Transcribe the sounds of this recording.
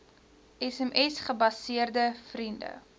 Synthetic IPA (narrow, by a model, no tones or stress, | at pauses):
ʔɛsɛmʔɛsχəbɐsiərdəfrində̰